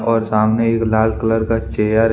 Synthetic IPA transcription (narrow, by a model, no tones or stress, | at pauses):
ɔːɾsaːmneeːklaːlkələɾkat͡ʃeːjaɾ